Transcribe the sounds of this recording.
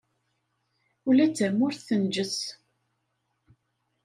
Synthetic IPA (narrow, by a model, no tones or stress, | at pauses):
ulæt͡sːəmʊɾθθənd͡ʒəθ